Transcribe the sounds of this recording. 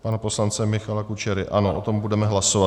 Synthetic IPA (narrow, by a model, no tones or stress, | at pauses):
panapo̞slant͡sɛmɪxalakut͡ʃɛɾɪʔʔano̞ʔot̪o̞mbudɛmɛɦlasova